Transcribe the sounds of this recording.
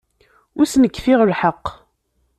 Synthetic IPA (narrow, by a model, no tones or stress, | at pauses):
ʊɾsnəkːfɪʁəlħəqː